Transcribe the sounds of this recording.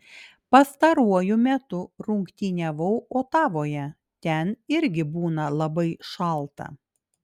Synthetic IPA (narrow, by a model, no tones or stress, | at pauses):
pɐst̪ɐɾuɔjʊmʲɛt̪ʊɾʊŋkt̪ʲiːnʲɛʋɐʊʔoːt̪ɑːʋoːjɛ | t̪ʲɛnɪɾʲɡʲɪbuːnɐlˠɐbɐɪʃɐlˠˑt̪ɐ̰